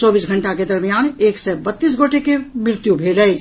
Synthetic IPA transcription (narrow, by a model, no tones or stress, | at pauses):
t͡ʃɔːbiːsɡʱə̃ɳʈaked̪əɾmijaːneːksɛbət̪ːiːs̬ɡoːʈekemɾɪɾɪt̪jubʱeːləe